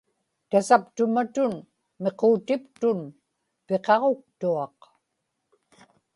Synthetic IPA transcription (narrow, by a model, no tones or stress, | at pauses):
t̪asapt̪ʊmat̪ʊn | me̞qoːt̪ɪpt̪ʊn | peqɑʁo̞k̚t̪uɑq